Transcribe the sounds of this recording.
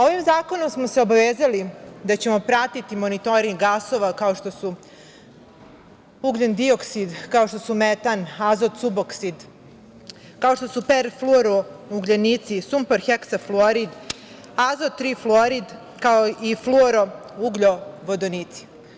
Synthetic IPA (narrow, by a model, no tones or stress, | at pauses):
oʋimzaːko̞nomsmoseo̞baʋeːzalid̪at͡ɕe̞mo̞pɾat̪it̪imonit̪o̞ɾiŋɡaso̞ʋakao̞ʃt̪osu | uɡʎend̪io̞ksid̪kao̞ʃt̪osumet̪anazot̪suboksid̪ | kao̞ʃt̪o̞supeɾfloɾouɡʎenit̪sisumpeɾxeksafloɾid̪ | azot̪ːɾiflˠoɾid̪ | kaoifluɾouɡʎoʋod̪onit̪si̥